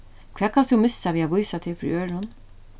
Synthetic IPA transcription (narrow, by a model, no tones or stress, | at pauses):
kʰv̥ɛːkʰanst̪ʊmɪsːaʋiaʋujsat̪ʰɪfɾḭøːɹʊn